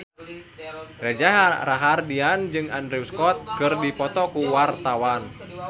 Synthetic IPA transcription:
rɛd͡ʒaɦraɦardiand͡ʒɨŋandɾiuskɔt̪̚kɨrdipɔt̪ɔkuwart̪awan

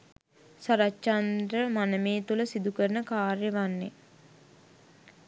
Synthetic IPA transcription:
saɾat͡ʃand̪ɾəmanəmeːt̪uləsid̪ukəɾənəkaːrjəʋanːe

